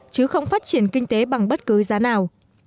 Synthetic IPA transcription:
t͡ɕɨ˨˦xə˧wŋ͡mfaː˦˥t̚t͡ɕi˧˩ənkï˧ŋ̟t̪e˨˦ɓa˨˩ŋɓə˦˥t̚kɨ˨˦zaː˨˦naː˨˩w

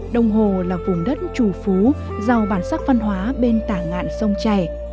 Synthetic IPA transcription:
ɗə˨˧˩wŋ͡mɦo˨˩laː˨˩vʊ˨˩ŋ͡mɗə˦˥t̚t͡ɕu˧˩fu˨˦ | za˧wɓaː˧˩nsaː˦˥k̚va˧nɦwaː˨˦ɓe˧nt̪aː˧˩ŋa̰ː˧˨nsə˧wŋ͡mt͡ɕa˧˩j

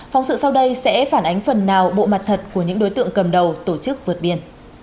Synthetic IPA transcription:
fa˨˧wŋ͡msɨ̰˧˨sa˧wɗə˧jsɛ̰˧˥faː˧˩nʔa˨˦jŋ̟fə˨˩nːaː˨˩wɓo̰˧˨ma˨˩t̚t̪ʰə˨˩t̚ku˧˩əɲɨ̰˧˥ŋɗo˨˦jt̪ɨ̰˧˨əŋkə˨˩mɗə˨˩wt̪o˧˩t͡ɕɨ˦˥k̚vɨ˨˩t̚ɓi˧ən

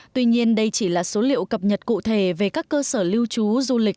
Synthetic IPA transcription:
t̪wi˧ɲi˧ənɗə˧jt͡ɕi˧˩laː˨˩so˨˦lḭ˧˨əwkə˨˩p̚ɲə˨˩t̚kṵ˧˨t̪ʰe˧˩ve˨˩kaː˦˥kːəː˧səː˧˩li˧əwt͡ɕu˨˦zu˧lï˨˩k̚

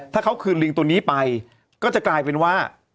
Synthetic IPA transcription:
t̪ʰaː˥˩kʰa˦˥wkʰɯː˧nli˧ŋt̪u˧niː˦˥pa˧j | kɔː˥˩t͡ɕa˨˩klaː˧jpe˧nwaː˥˩

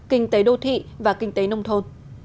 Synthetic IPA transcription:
kï˧ŋ̟t̪e˨˦ɗo˧t̪ʰḭ˧˨vaː˨˩kï˧ŋ̟t̪e˨˦nə˧wŋ͡mt̪ʰo˧n

